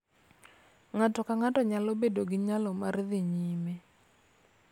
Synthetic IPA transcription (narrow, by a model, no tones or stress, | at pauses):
ŋatɔkaŋatɔɲalɔbedoɡɪɲalɔmarðɪɲime